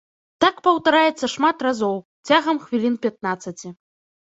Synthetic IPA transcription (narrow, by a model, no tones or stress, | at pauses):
t̪akpɐwt̪aɾajɛt̪sːɐʂmat̪razɔwt͡sʲaɣɐmxvʲilʲinpʲat̪̚nat̪sːɐt͡sʲi